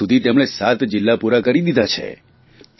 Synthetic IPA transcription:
ud̪ʱit̪emɽ̃esat̪d͡ʒɪlːapuɾakəɾid̪id̪ʱat͡ʃʰḛ | t̪

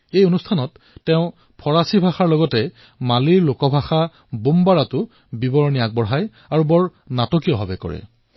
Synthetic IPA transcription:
ejonustʰanɔtː | ɛʊ̃ | pʰɔɹasibʱaxaɹlɔɡɔtɛ | maliɹlokɔbʱaxa | bumbaɹatʊ | bibɔɹniak̚bɔɹɦaj | aɹubɔɹ | natɔkijɔbʱabɛkɔ̰ɹɛ̰

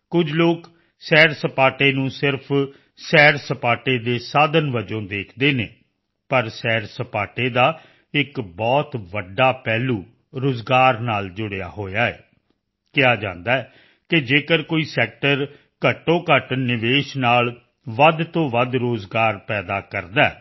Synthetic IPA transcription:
kʊd͡ʒloːk | sɛːɾsəpaːʈeːnũːsɪɾpʰ | sɛːɾsəpaːʈeːd̪eːsaːd̪ənʋəd͡ʒõːd̪eːkʰd̪eːneː | pəɾsɛːɾsəpaːʈeːd̪aː | ɪkbɔːt̪ʋəɖːaːpɛːluː | ɾoːzɡaːɾnaːld͡ʒʊɽeja̰ːɦoːjaːɛ̰ː | kɪaːd͡ʒãːnd̪aːɛː | kɪd͡ʒeːkəɾkoːiːsɛːk̚ʈəɾ | kəʈːõːkəʈnɪʋeːʃnaːl | ʋəd̪t̪õːʋəd̪ɾoːzɡaːɾpɛːd̪aːkəɾd̪aɛː

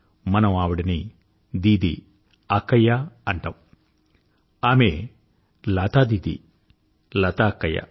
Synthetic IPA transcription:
mɐnɐmaːʋuɽɐni | d̪iːd̪ḭ | ɐkːɐjːaɐɳʈɐwu | aːme | laːt̪aːd̪iːd̪ḭ | lɐt̪aːɐkːɐja̰

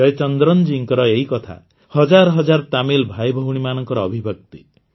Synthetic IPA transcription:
ɔet͡ʃɔnd̪ɾɔnd͡ʒiŋkɔɾɔeɦikɔt̪ʰa̰ | hɔd͡ʒaɾɔɦɔd͡ʒaɾt̪amilbʱajbʱɔwɽ̃imanɔŋkɔɾɔːbʱibʱɔk̚t̪i

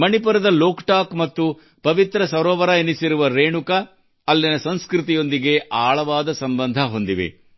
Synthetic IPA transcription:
mɐnipuɾɐd̪ɐloːkʈaːkmɐt̪ːu | pɐʋit̪ɾɐsɐɾɔːʋɐɾɐinisiɾuʋɐɾeːɳukɐː | lːinɐsɐnskɾit̪ijo̞nd̪iɡe̞ʔaːɭɐʋaːd̪ɐsɐmbɐnd̪ʱɐɦo̞nd̪iʋḛ

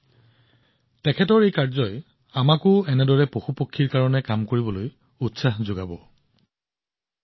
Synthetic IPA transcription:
tɛkʰɛtɔɹejkaɹzɔj | amakʊɛnɛdɔɹɛpoxupokʰːiɹkaɹɔnɛkamkoɹibɔloj | utsaxzoɡabɔ

